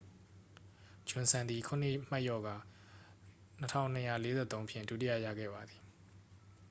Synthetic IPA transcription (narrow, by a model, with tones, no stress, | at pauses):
d͡ʑʊ̃˨nsʰã˨nd̪i˨kʰʊ̃˨nɪ̰˦˨ma˦ʔjɔ˦˨ɡa˨ | nə˦tʰã̰˦˨ʊ̃n̥ə˦jä̰˦˨le˦zɛ̰˦˨t̪õ˦ʊ̃mpʰjɪ̰̃˦˨ndu˦ti˦jä̰˦˨jä̰˦˨ɡɛ̰˦˨ba˨d̪i˨